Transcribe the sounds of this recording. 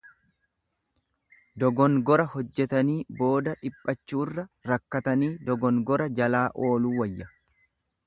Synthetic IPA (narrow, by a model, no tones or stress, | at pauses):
d̪ɔɡɔŋɡɔɾɐhɔd͡ʒːɛt̪ɐniːbo̞ːd̪ɐᶑɪpʼːɐt͡ʃːuːrːɐɾɐkːɐt̪ɐniːd̪ɔɡɔŋɡɔɾɐd͡ʒɐlaːʔo̞ːluːwɐjːɐ